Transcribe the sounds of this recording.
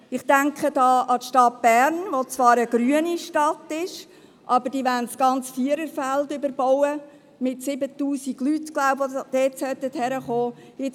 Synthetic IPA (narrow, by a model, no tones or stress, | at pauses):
ɪχtæŋkχədɑːʔɑtʃtɑt̚b̥æɾnʋot͡svɑːɾəɡɾyəniʃtɑtɪʃ | ʔɑbəɾd̥iːʋæntsɡ̥ɑnt͡sfiəɾəɾfældʏbəɾbɔwə | mɪtsɪbətuːsiɡ̥lytɡ̥laʊpod̥ɛːtsœt̪ːəthɛɾəχoːɪ